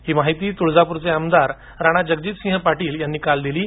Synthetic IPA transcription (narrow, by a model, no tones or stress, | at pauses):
hiːmaɦit̪iːt̪uɭd͡zapuɾt͡seəmd̪aɾ | ɾaɽ̃ad͡ʑəɡd͡ʑiːt̪sĩŋɦəpaʈiːljanːiːkald̪iliː